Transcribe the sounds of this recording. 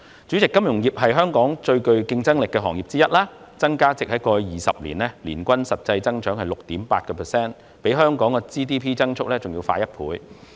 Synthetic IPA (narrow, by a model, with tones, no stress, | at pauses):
t͡ʃy˨˥t͡sɪ˨kːɐ˥mjʊ˨˩ŋjiː˨p̚ɦɐ˨jɦœː˥ŋkɔː˨˥ŋt͡ʃɵ˧ɥkɵ˧ɥkɪ˧ŋt͡sɐ˥ŋlɪ˨kːɛː˧ɦɔ̰ː˨˩ŋjiː˨˩p̚t͡siː˥jɐ˥t̚laː˥ | t͡sɐ˥ŋkaː˥t͡sɪ˨k̚hɐ˨˥jkɔː˧jjiː˨˩sɐ̰˨p̚lḭ˨˩nɛː˥liː˨˩nkʷɐ˥nsɐ˨t̚t͡sɐ˧jt͡sɐ˥ŋt͡ʃœː˨˥ŋhɐ˨jlʊ˨k̚t̪iː˨˥mpa̰ː˧t̚kɔː˧pʰɛː˨˩sɛː˥n | pe˨˥jɦœː˥ŋkɔː˨˥ŋkɛː˧t͡siː˥t̪iː˥pʰiː˥t͡sɐ˥ŋt͡ʃʰʊ˥k̚lɛː˥t͡sʊ˨ŋjiː˧wfaː˧jɐ˥t̚pʰṵː˨˥j